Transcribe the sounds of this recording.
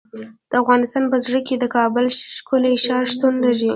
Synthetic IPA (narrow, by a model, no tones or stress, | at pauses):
d̪̥əafɣɑnɪst̪ɑnpəzɽəked̪əkɑbəlʃkʊleʃɑɾʃt̪unlaʐi